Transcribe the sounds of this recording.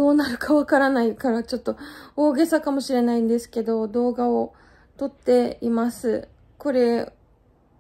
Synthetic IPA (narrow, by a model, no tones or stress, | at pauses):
o̞ːnaɾɯ̟kʰaβakaɾanaikaɾat͡ɕo̞t̪ːo̞oːɡe̞sakamo̞ɕiɾe̞naĩnd̪e̞sɨ̥ke̞d̪o̞d̪o̞ːɡao | t̪o̞t̪ːe̞imasɨ | ko̞ɾe̞